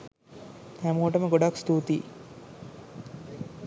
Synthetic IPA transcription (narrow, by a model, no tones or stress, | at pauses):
æmuʈəməɡoɖakst̪uːt̪iː